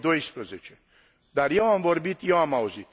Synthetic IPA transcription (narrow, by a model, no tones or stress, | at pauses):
d̪ojspɾezet͡ʃʰe | d̪aɾjɛwamvoɾbit̪joamawozit̪